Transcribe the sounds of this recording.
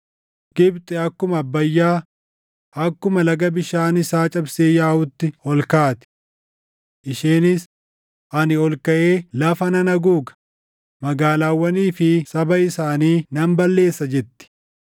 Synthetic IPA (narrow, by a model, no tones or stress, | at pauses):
ɡ̥ɪbt̪ʼɛɐkːʊmɐːbːɐjːaː | ɐkːʊmɐlɐɡɐbɪʃaːnɪsaːt͡ʃʼɐbseːjaːhʊt̪ːɪɔlkaːt̪ɪ̥ | ʔɪʃeːnɪs | ʔɐnɪɔlkɐʔeːlɐfɐnɐnɐɡuːkɐ̥ | mɐɡaːlaːwːɐniːfɪsɐbɐɪsaːniːnɐmbɐlːe̞ːsːɐd͡ʒɛt̪ːɪ̥